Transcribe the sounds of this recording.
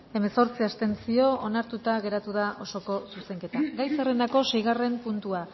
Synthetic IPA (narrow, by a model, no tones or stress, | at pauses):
e̞me̞so̞ɾt͡siast̪e̞nsio̞onaɾt̪ut̪aɣ̞e̞ɾat̪uðaʔo̞so̞ko̞suse̞ŋke̞t̪aɡajserend̪ako̞se̞jɣ̞are̞mpunt̪ua